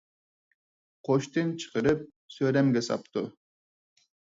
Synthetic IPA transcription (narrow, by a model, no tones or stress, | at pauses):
qʰoʃt̪ɯnt͡ʃʰɨ̥qəɾɯp̚ | søɾemɡesɑ̰p̚t̪u